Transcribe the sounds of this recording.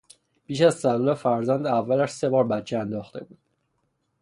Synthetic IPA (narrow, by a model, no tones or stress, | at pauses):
piːʃæzsæluːlefæɾzænd̪ævːælæʃse̞bɒːɾbæt͡ʃʰeænd̪ɒːxt̪e̞̰buːd̪̥